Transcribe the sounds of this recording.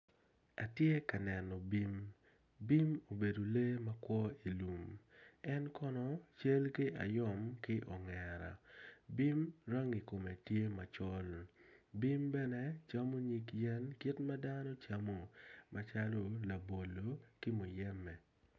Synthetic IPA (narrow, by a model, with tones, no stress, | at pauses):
a˨tje˦ka˨nɛ˨nɔ˨bi˦m | bi˦mo˨be˨do˨le˦ma˦kwɔ˦i˨lu˨mɛ˦nkɔ˦nɔ˦t͡ʃe˦lkɪ˦ʔa̰˨jɔ˦mkɪ˦ʔɔ˨ŋɛ˨ɾa̰˨bi˦mɾa˦ŋi˨ko˨me˨tje˦ma˨t͡ʃɔ˦lbi˦mbɛ˦nɛ˦t͡ʃa˦mo˦ɲi˨kjɛ˦nki˦tma˦da˦nɔ˦t͡ʃa˦mo˨ma˦t͡ʃa˦lo˦la˨bo˨lːo˨kɪ˦mo˨jɛ˦mːɛ˨